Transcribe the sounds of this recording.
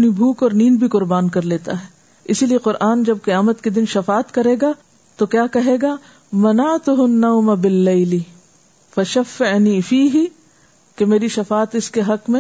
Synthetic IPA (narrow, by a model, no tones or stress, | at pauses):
pnibʱuːkɔːɾniːnbʱiqʊɾbaːnkɐɾleːt̪aɦɛː | ɪsilijeqʊɾʔaːnd͡ʒɐb̚qɐjaːmət̪ked̪ɪnʃɐfaːt̪kɐɾeːɡaː | t̪okjaːkɐɦeːɡaː | mɐnaːt̪ʊɦʊnːɐʊmɐbɪlːɐɪli | fɐʃɐfːɪʕniːfiːɦɪ | kemeːɾiʃɐfaːt̪ɪskeɦɐqmẽː